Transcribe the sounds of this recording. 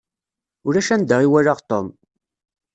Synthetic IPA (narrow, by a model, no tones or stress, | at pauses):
ʊɾæʃænd̪əʁiwæɾaʁt̪om